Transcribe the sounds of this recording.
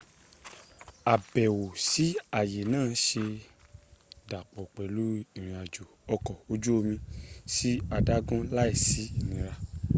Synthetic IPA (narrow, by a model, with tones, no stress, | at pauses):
a˨bɛ˨wo˨si˨˦a˨je˨nãː˦˨˦ʃe˧ | da˨k͡pɔ˨k͡pɛ˨lu˨˦i˨ɾ̃ĩ˨a˨d͡ʒo˨ɔ˧kɔ˨o˧d͡ʒu˦o˧mĩ˧si˦a˧da˦ɡũ˦la˦i˦˨si˨˦i˦˨nĩ˨˦ɾa˧